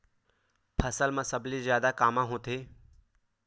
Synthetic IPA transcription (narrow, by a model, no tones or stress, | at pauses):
pʰɐsəlmãsəblizjaːd̪akaːmãɦõt̪eː